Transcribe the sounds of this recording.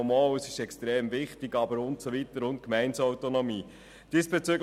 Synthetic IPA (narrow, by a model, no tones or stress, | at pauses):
mɑːwəsɪʃɛkstɾeːmvɪχtɪɡɑbəɾʊntsɔvitəɾʊnt̚kmɛɪnsɔwtonɔmiː | d̥isb̥ɛt͡syɡ